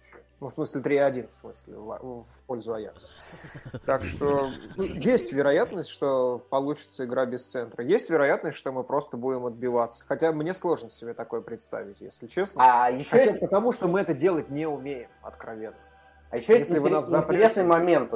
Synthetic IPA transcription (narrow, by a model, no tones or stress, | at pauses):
nufsmɨsʲlʲɪt̪ɾʲiɐdʲinfsmɨ̰sʲlʲɪ̰fpo̞lʲzʊɐja̰k̪sə̥t̪akʂt̪o̞ujesʲtʲvʲɪɾɐjat̪nəsʲtʲʂt̪o̞pɐlˠut͡ɕɪ̥t̪səɪɡɾabʲɪst̪sɛnt̪ɾəjesʲtʲvʲɪɾɐjat̪nəsʲtʲʂt̪o̞mɨpɾo̞st̪əbudʲɪməd̪̚bʲɪvat̪sə̥xɐtʲamnʲe̞slˠo̞ʐnəsʲɪbʲet̪ɐko̞jəpɾʲɪt̪st̪a̰vʲɪtʲjḛsʲlʲɪt͡ɕe̞snəjɪɕːtat̪pət̪ɐmuʂt̪o̞mɨɛt̪ədʲe̞lˠətʲnʲeʊmʲejɪmɐ̰t̪kɾɐvʲenːə | ajɪɕːoesʲlʲɪvɨnaszɐtpɾɪesnɨjmɐmʲent̪